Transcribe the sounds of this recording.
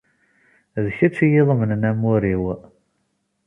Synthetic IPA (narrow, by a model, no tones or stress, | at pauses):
ðçæt͡sːijiðˤmənənæmːʊɾiw